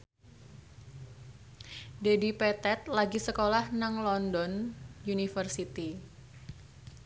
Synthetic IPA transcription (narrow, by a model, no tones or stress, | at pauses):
dedipɛt̪ɛt̪̚laɡisəkolahnaŋlɔndɔnjunifərsit̪i